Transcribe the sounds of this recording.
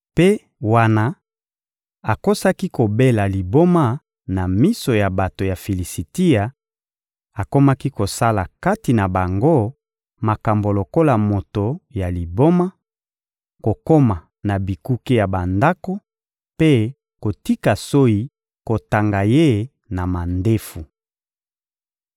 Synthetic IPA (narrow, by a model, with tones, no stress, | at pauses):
pe˦ | wa˦na˦ | a˨ko˦sa˦ki˦ko˨be˦la˨li˨bo˦ma˦ | na˨mi˦so˨ja˨ba˨to˨ja˨fi˨li˨si˨ti˦a˨ | a˨ko˦ma˦ki˦ko˨sa˦la˨ka˦ti˨na˨ba˨ŋɡo˦ | ma˨ka˨mbo˨lo˨ko˦la˨mo˨to˨ja˨li˨bo˦ma˦ | ko˨ko˦ma˨ | na˨bi˨ku˦ke˦ja˨ba˨nda˦ko˦ | pe˦ | ko˨ti˦ka˨so˦i˦ | ko˨ta˨ŋɡa˨je˦ | na˨ma˨nde˦fu˨